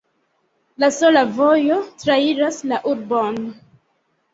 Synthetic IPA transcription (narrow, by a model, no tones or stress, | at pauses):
lasolavo̞jo̞tɾaiɾaslaʔuɾbon